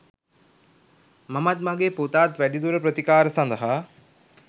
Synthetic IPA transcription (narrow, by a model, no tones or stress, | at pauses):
mamɐt̪̚maɡeːpot̪aːt̪ʋæɖid̪uɾəpɾət̪ikaːɾəsand̪əɦa